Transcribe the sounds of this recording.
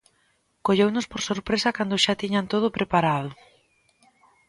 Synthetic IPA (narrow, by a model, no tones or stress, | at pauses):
koʎewnʊspoɾsoɾpɾesɐkand̪ʊʃat̪iɲant̪oð̞ʊpɾepaɾaðʊ